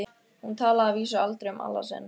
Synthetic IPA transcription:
ɪ | hunt̪ʰaːlaaviːsʏalt̪ɾeʏmʔa̰lːa̰sɛ̰n

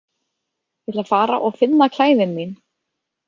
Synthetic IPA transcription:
jɛt̪lafaːɾa̰ʔɔɣfɪnːakʰlaːjðɪnmin

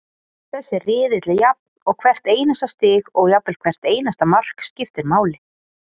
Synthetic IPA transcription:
θɛsːɪrɪːðɪt̪lɪjap̚nɔɣkʰvɛr̥t̪eːjnast̪ast̪ɪːɣɔɣjapːɛlkʰvɛr̥t̪eːjnast̪amar̥kscɪft̪ɪɾmaːwlɪ

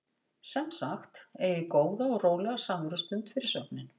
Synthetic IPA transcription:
sɛmsaxt̪ejɪkoːwðaɔɣroːwlɛɣasamʏɾʏst̪ʏnt̪fɪɾɪ̥ɾ̥sœp̚nɪn

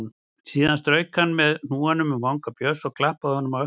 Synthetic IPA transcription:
n | siːðanst̪ɾœːɥkhanːmɛðnuːanʏmʏmvawŋkapjœsɔɣkʰlahpaðhɔnːʏma

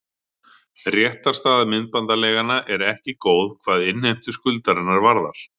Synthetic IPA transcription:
rjɛht̪aɾst̪aːðamɪnt̪̚pant̪alɛːɣanaʔɛɾɛhcɪkoːwðkʰvaːðɪnhejm̥t̪ʏskʏlt̪aɾɪnːaɾvaɾða̰ɾ̥

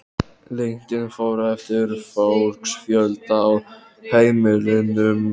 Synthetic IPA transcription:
lejɲ̥cɪnfoːwɾaɛft̪ɪɾfowɾksfjœlt̪aːw | heːjmɪlɪnʏm

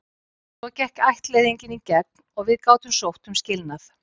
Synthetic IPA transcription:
sɔcɛhkajht̪lejðiɲcɪnicɛknɔɣvɪðkaːwt̪ʏmsowht̪ʏmscɪlnaθ

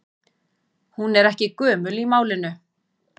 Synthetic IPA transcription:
hunɛɾɛhcɪkœːmʏlimaːwlɪnʏ

